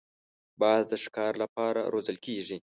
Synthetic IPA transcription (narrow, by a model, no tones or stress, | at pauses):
bɑzd̪əʃkɑɾlapɑɾa̰ɾozəlkʰeʐi